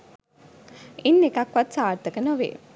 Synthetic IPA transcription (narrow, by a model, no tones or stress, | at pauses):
inːekakʋat̪saːɾt̪əkənoʋḛː